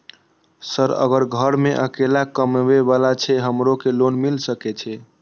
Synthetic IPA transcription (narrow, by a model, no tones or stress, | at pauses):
səɾə̰ɡəɾɡʱəɾmeʔəkelakəmbebalat͡ʃʰɛɦəmɾokelonmilsəkɛt͡ʃʰɛ